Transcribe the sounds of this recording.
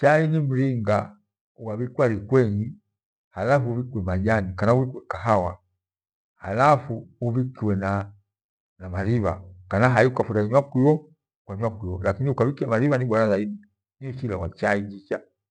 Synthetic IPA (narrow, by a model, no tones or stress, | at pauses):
t͡ʃainim̩ɾiŋɡa | uwavikuwaɾikwɛŋi | halafuuvikiwɛmaʄanikanauvikwɛkaɦawa | halafuuvikiwɛna | namaɾiβa̰kanaɦaiukafuɾaiɲwakwiwɔ | kwaɲwakuiwɔlakiniukavikiamaɾiβaniɓaɾazaini | nifilawat͡ʃaid͡ʒit͡ʃa